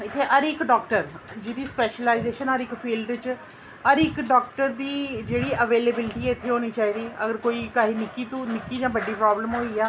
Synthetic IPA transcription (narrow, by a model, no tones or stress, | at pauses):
ɪt̪ʰːeːʔəɾɪkɖɔːkʈəɾd͡ʒɪd̪iːspɛːʃəlaːizeːʃənəɾɪkfʰiːlɖt͡ʃ | əɾɪkɖɔːk̚ʈəɾd̪iːd͡ʒeːɽiːʔəʋeːleːbɪlɪʈiːɛːɪt̪ʰːeːɦoːniːt͡ʃaːiːd̪iːə̰ɡəɾkoːiːkaːɦiːnɪkːiːt̪ũːnɪkːiːd͡ʒãːbəɖːiːpɾaːbləmɦoːiːaː